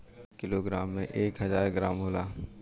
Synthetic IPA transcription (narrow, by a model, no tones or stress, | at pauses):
kɪloɡɾaːmːḛ̃ʔeːkɦɐzaːɾɡɾaːmɦoːlaː